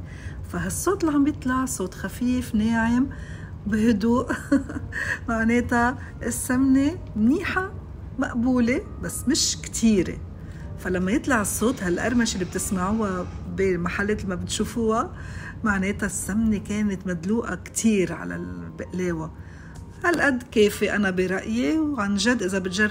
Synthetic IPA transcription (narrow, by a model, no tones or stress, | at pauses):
faɦasˤːoːt̪laʕambjɨt̪ˤlɑʕsˤoːt̪xafiːfneːʕɪm | bɪhʊd̪uːʔ | maʕneːt̪a | ʔɪsːamne | mniːħa | maʔbuːle | basːmɪʃkt̪ʰiːɾḛ | falamːajɪt̪ˤlɑʕɨsˤːoːt̪halʔa̰ɾˤmaʃɪlːib̚t̪ɪsmaʕuːa | bimaħalːeːt̪lmabɪt̪ʃuːfuːamaʕneːt̪asːamnekeːnɪt̪mad̪luːʔakt̪ʰiːɾʕa̰la̰lbɪʔleːwa | halʔad̪ːkeːfiʔanabiɾˤɑʔjiwʕanʒad̪ːʔɪzabɪt̪ʒɑrˤ